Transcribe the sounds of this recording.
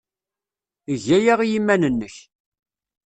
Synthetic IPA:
əʝæjaʁijimːænənːəç

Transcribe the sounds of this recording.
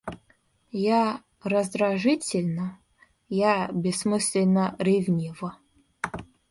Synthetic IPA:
ja | rɐzd̪raʐɨtʲɪlʲnə | jabʲɪsmɨsʲlʲenərʲevnʲivə

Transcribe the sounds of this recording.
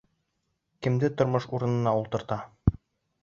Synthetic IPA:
kɘ̆md̪ɘt̪ŏɾmɤʃuɾɤ̆nɤ̆nɑulˠt̪ɤ̆ɾt̪ɑ

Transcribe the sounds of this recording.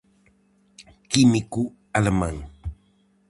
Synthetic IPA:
kimiku | almaŋ

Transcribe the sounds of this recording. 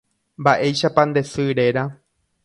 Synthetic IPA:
mbaʔe̞jʃapãnd̪e̞sɨɾe̞ɾa

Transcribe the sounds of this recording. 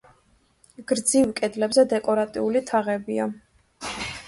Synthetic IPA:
ɡ̥ɾd̪zivkʼɛd̪lɛbzɛd̪ɛkʼɔɾat̪ʼiulit̪ʰaʁɛbia

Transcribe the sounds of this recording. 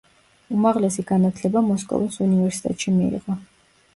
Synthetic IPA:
umaʁlɛsiɡanat̪ʰlɛbamɔskʼɔ̰visunivɛɾsi̥t̪ʼɛ̰t̪ʼʃimiḭʁɔ

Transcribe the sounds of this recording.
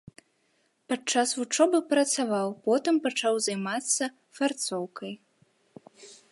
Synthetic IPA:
pat͡ʂasvut͡ʂɔbɨpɾɐt̪savawpɔt̪ɨmpat͡ʂawzajmat̪sːɐ | fart̪sɔwkɐj

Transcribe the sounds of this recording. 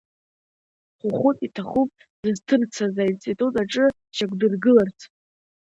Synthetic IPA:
χʷʊχʷʊtʼitʰaχupʼ | d̥ɨztʰɨrt͡sʰazaint͡sʼitʼutʼaʈ͡ʂʼɨ | ʃakʷdɨrɡɨlart͡sʰ

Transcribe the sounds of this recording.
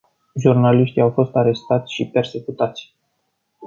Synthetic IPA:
ʒurnaliʃt̪ijawfo̞st̪aɾe̞st̪at̪sʲʃipe̞rse̞kut̪at̪sʲ

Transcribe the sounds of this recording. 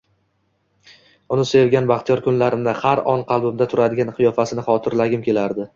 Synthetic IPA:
ʊnɪse̞vɡʲanbaχt̪ʰɪjɒɾkʰʊnlaɾɪnd̪ahaɾɒnqʰɑlˠbʊmd̪at̪ʰʊɾad̪ɪɡʲanqʰɨjɒfasɪnɪχɒt̪ʰɪɾlaɡʲɪmkʲʰe̞laɾd̪ɪ

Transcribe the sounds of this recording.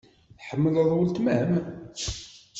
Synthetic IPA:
θħəmːələðˤult̪məhəm

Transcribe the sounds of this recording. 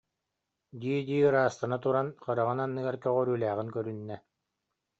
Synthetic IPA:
d̪iːd̪iːɯɾaːst̪anat̪uɾanχɯɾaʁɯnanːɯɡaɾkœʁœɾyːlæːʁinkœɾynːɛ

